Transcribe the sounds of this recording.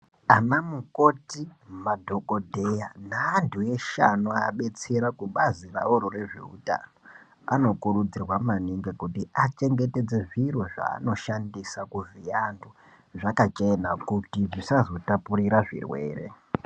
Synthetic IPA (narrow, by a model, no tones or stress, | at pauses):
amamukotimadʱo̞ko̞dʱe̞janaːntʰue̞ʃa̰nuaɓe̞t͡se̞ɾakuɓazira̰oɾore̞ʐe̞̰ṵta̰no̞ | a̰no̞kurud͡zirwamaniŋɡekutiat͡ʃe̞ŋɡe̞te̞d͡zeʐirwo̞ʐa̰ːno̞ʃandisakuvijandu | ʐakat͡ʃenakutiʐisazo̞tapuriɾaʐḭrwe̞̰ːre̞̰